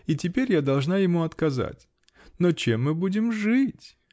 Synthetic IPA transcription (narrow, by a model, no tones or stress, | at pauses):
it̬ʲɪpʲeɾʲjad̪ɐlˠʐnajɪmuɐt̪kɐza̰tʲ | not͡ɕemːɨbudʲɪmʐɨtʲ